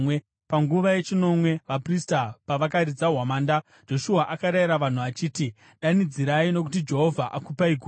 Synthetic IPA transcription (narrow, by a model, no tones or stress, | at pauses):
paŋɡuʋaje̞t͡ʃino̞mwe̞ʋapristapaʋakaɾid͡zaɦwamaːndḁ | d͡ʒ̥o̞ʃuaʔakaɾaiɾaʋan̤uat͡ʃiːti | ɗanid͡ziɾaino̞k̬ut̬id͡ʒe̞ɦo̞vʱaʔakupaiɡʱuː